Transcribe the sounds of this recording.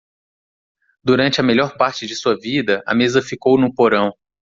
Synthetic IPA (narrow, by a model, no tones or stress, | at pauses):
d̪uɾɐ̃nt͡ʃɪɐmeʎɔɾpaɾt͡ʃɪd͡ʒɪsuɐvid̪ɐʔɐ̰mezɐfikownʊpoɾɐ̃w̃